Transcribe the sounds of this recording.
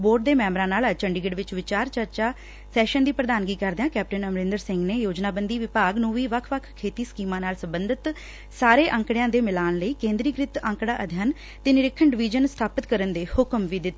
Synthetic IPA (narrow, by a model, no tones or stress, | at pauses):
boːɾʈ̚d̪eːmɛ̃ːmɾãːnaːlat͡ʃəɳɖɪɡɪɖʋɪt͡ʃʋɪt͡ʃaːɾt͡ʃəɾt͡ʃaː | sɛːʃənd̪iːpɾəd̪aːnɡiːkəɾd̪ejãːkɛːp̚ʈənəmɾɪ̃nd̪əɾsɪŋɡneːjoːd͡ʒnaːbənd̪iːʋɪpaːɡnũːʋiːʋəkʰʋəkʰkʰːeːt̪iːskiːmãːnaːlsəmbənd̪ʱɪt̪ | saːɾeːʔəŋkɽejãːd̪eːmɪlaːnləiːkẽːnd̪ɾiːɡɾɪt̪ə̃ŋkɽaːʔəd̪ʱjaːn | t̪eːnɪɾɪkʰːəɳɖɪʋiːd͡ʒənst̪ʰaːpət̪kəɾənd̪eːhʊkəmʋiːd̪ɪt̪ː